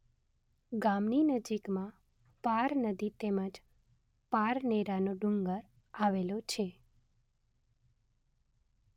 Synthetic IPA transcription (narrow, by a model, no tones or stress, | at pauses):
ɡamninəd͡ʒikmã | paɾnəd̪it̪eməd͡ʒ | paɾneɾanoɖuŋɡəɾ | aʋelot͡ʃʰe